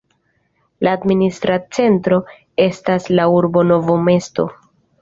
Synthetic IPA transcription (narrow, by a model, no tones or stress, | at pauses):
laːdministɾat͡se̞ntɾo̞ | e̞staslauɾbo̞no̞vome̞sto̞̰